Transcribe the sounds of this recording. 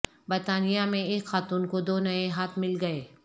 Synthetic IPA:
bɐɾt̪aːnijamẽeːkxaːt̪uːnkod̪oːnɐeɦaːt̪ʰmɪlɡɐeː

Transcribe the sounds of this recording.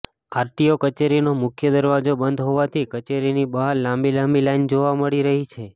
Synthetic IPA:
aɾʈiokət͡ʃeɾinomʊkʰjəd̪əɾʋad͡ʒobənd̪ɦoʋat̪ʰikət͡ʃeɾinibəɦaɾlãmbilãmbilaind͡ʒoʋaməɭiɾəɦit͡ʃʰe

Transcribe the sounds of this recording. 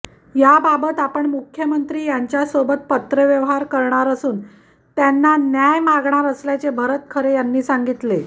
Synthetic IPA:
jababət̪apəɳmukʰjəmənt̪ɾiːjaɲt͡ɕjasobət̪̚pət̪ɾəʋjəʋɦaɾkəɾɳaɾəsuːn | t̪janːanjajmaɡɳaɾəsljat͡sebʱəɾət̪̚kʰəɾejanːiːsaŋɡit̪le

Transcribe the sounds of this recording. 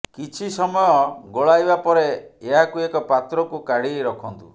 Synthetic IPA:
kit͡ʃʰisɔmɔjɔɡoɭajbapɔɾeeɦakuekɔpat̪ɾɔkukaɽiɾɔkʰɔnt̪ṵ

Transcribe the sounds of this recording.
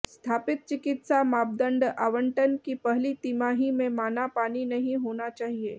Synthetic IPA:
sst̪ʰaːpɪt̪̚t͡ʃɪkɪt̪samaːp̚d̪ə̃ɳɖaːʋə̃ɳʈənkipɐɦlit̪imaːɦimẽmaːnapaːninɐɦĩɦoːnat͡ʃaːɦieː

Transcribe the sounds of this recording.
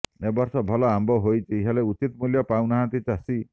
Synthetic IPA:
ebɔɾsɔbʱɔlɔambɔɦojt͡ʃʰiɦaleut͡ʃit̪ɔmuljɔpaw̃naɦãnt̪it͡ʃasi

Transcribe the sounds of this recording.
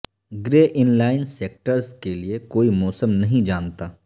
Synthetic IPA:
ɡɾeːʔɪnlaːɪnseːk̚ʈəɾskeliekoːimɔːsəmnɐɦĩd͡ʒaːnt̪aː

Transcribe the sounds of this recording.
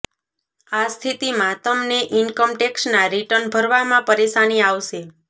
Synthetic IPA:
ast̪ʰit̪imãt̪əmneʔɪnkəmʈeksnaɾiʈənbʱəɾʋamãpəɾeʃaniaʋʃe

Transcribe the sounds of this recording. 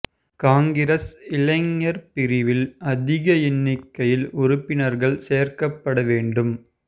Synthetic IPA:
kaːŋɡɪɾɐsɪlɐŋːɐɾpɪɾɪʋɪlɐðɪɣɐɪnːɪkːɐjɪlʊrʊpːɪnɐɾɣɐɭseːɾkɐpːɐɽɐʋeːɳɖɯm

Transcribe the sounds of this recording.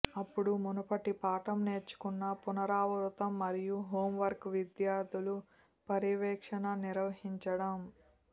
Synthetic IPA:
ɐpːuɽumunɐpɐʈipaːʈɐmneːɾt͡ʃːu̥kunːɐpunɐɾaːʋɐɾut̪ɐmːɐɾijuɦoːmʋɐɾkʋid̪jaːɾd̪ulu | pɐɾiʋɛːkʂɐnɐniɾʋɐɦiɲt͡ʃɐɽɐm

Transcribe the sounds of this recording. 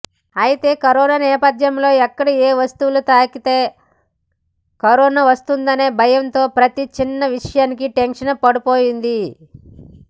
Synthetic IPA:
ɐjit̪e̞ːkɐɾɔːnaːnɛːpɐd̪jɐmlo̞ːɛkːɐɽieːʋɐst̪uʋulut̪aːkit̪e̞ː | kɐɾɔːnaːʋɐst̪und̪ɐne̞ːbʱɐjɐnt̪o̞ːpɾɐt̪it͡ʃinːɐʋiʂɐjaːnikiʈenʂɐnɐpɐɽupoːjind̪i

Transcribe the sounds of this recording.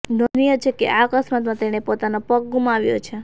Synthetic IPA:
nənijət͡ʃʰekḛʔakəsmat̪mãt̪eɽ̃epot̪anopək̚ɡumaʋjo̰t͡ʃʰe

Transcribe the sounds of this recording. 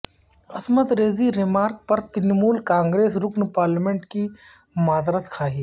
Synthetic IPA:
ɐsmət̪ɾeːziɾɪmaːɾk̚pɐɾt̪ɪnmuːlkãːŋɡɾeːsɾʊknpaːɾlɪmẽɳʈki | maːd̪ɾət̪kʰaːɦiː

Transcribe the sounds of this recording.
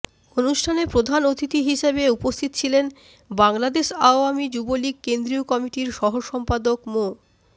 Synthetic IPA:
onuʃʈʰanepɾod̪ʱanot̪it̪iɦiʃabeupost̪ʰit̪ot͡ɕʰilen | baŋlad̪eʃaoamid͡ʑuboliɡ̚kend̪ɾiokɔmiʈiɾʃɔɦoʃɔmpad̪okmo

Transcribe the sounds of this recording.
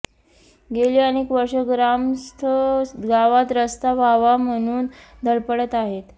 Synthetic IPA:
ɡelianekʋəɾʂəɡɾamst̪ʰəɡaʋat̪ɾəst̪aʋaʋam̤əɽ̃uːnd̪ʱəɭpəɽət̪aɦet̪

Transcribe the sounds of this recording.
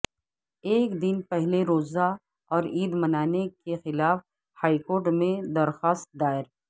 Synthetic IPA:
eːkd̪ɪnpɛɦleɾoːza | ɔːɾiːd̪mɐnaːnekexɪlaːf | haːikoːɾʈmẽd̪ɐɾxaːst̪̚d̪aːɪɾ

